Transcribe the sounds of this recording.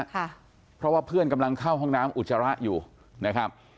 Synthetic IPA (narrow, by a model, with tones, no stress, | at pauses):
kʰa˥˩ | pʰɾɔ˦˥waː˥˩pʰɯ˥˩ənka˧mla˧ŋkʰa˥˩wɦɔ˥˩ŋnaː˦˥mʔu˨˩t̪̚sa˧ɾa˦˥ʔjuː˨˩ | na˦˥kʰa˦˥p̚